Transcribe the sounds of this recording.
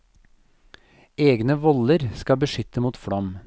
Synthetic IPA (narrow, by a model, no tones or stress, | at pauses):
eːɡnəʋɔləɾskɑbəʃʏt̪əmuːt̪fɽɔm